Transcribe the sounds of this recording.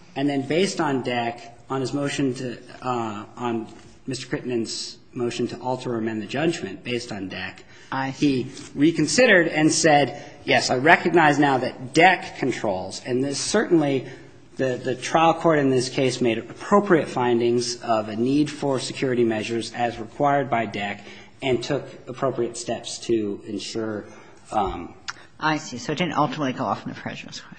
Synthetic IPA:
ɨ̃nðɨ̃nbeɪstn̩dɛk | ə̃n̩ɨzmoʊʃɨ̃ntʰɨ | n | mɪstə˞kʰɹ̥ɪʔn̩ɨ̃nz̥ | moʊʃɨ̃ntʰəʔɔlˠtʰə˞ɨ̃mɛ̃nðɨd͡ʒʌd͡ʒmɨ̃nb̥eɪstn̩dɛk | hiɹikɨ̃n̩sɪɾə˞ɾɨ̃nsɛdjɛsaɪɹɛkɨɡ̚naɪznaʊðɨt̚d̥ɛkʰːɨ̃ntʰɹ̥oʊlˠz̥ɨ̃nðɪsɜ˞ʔn̩li | ðɨðɨtʰɹ̥aɪlˠkʰɔɹɾɨ̃nðɪskʰeɪsmeɪɾəpʰɹ̥oʊpʰɹiɨtfãɪ̃ndɪ̃ŋzʌvɨnidfə˞sɨkʰj̥ʊɹɨɾimɛʒə˞zɨzɹɨkʰw̥aɪə˞d̚baɪdɛk | ɨ̃ntʰʊkəpʰɹ̥oʊpɹiɨtstɛpstʰɨɨ̃nʃʊɹ | ʔaɪsisoʊd̥ɪdⁿn̩ʔʌlˠtəmətˡliɡoʊɔ̰fn̩ðɨ̰pʰɹ̥ɛ̰ʒə˞skʰɛ

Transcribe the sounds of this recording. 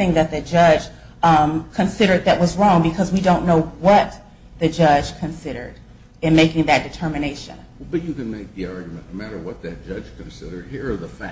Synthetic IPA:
ɪ̃ŋðɨt̪̚ðɨd͡ʒʌ̥ʒ̥ | kʰɨ̃nsɪɾə˞d̪̚ðɨʔ̚wʌzɹɔ̃ŋbɨkʰʌzwidõʊ̃nːoʊwʌt̪̚ | ðɨd͡ʒʌ̥ʒ̥kʰɨ̃nsɪɾə̰˞ɾ | ɨ̃nmeɪkɪ̃ŋðɨt̚d̥ɨtʰɜ˞mɨneɪʃɨ̰̃n | bʌt͡ʃɨkɨ̃nmeɪk̚ðiɑɹɡjmɨ̃noʊmæɾə˞wʌt̪̚ðɨt̚d̥ʒ̥ʌd̥ʒ̥kʰɨ̃n̩sɪɾə˞d̚hiɹəðəfæ

